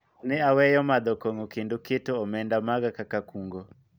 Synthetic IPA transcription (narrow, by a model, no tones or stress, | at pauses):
nɪawɛjɔmad̪ɔkɔŋɔkɪndoketoːmɛndamaɡakakakuŋɡɔ